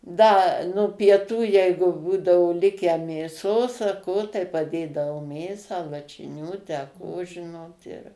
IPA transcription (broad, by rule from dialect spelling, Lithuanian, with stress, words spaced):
ˈdɐ nʊ pʲiɛˈtuː ˈjɛɪɡʊ ˈbuːdɐoː ˈlʲɪkʲæː mʲeːˈsoːs ɐ ˈkoː tɐɪ pɐˈdʲeːdɐʋoːˈmʲeːsɑː lˠɐʃʲɪˈnʲuː ˈtʲæː ˈkoː ˈʒʲɪnoːt ɪr